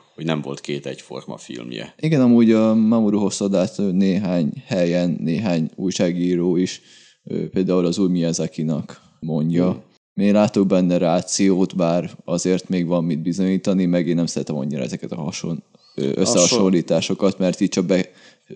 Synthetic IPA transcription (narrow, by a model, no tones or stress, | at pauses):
hoɟnɛɱvo̞lt̪keːt̪ɛɟfo̞̰rmɒ̰fḭlmjɛ̰iɡɛnɒmuːɟɒmamuɾuɦo̞sod̪aːt̪ːneːɦaːɲhɛjɛnːeːɦaːɲuːjʃaːɡiːɾoːiʃ | øːpeːld̪aːulɒzuːjmiɛzɛkinɒk | mo̞ɲɟɒ | meːɡlaːt̪o̞ɡ̚bɛnːɛɾaːt̪sijoːt̪baːrɒzeːrt̪meːɡʋɒmːid̪̚bizo̞ɲiːt̪ɒnimɛɡeːnːɛmsɛɾɛt̪ɛmɒ̰ɲːiɾɒ̰ɛzɛkɛt̪ɒɦɒʃon | øʔø̰sːɛɦɒʃo̞llːiːt̪aːʃo̞kɒt̪mɛrt̪iːc̚t͡ʃɒk̚bɛ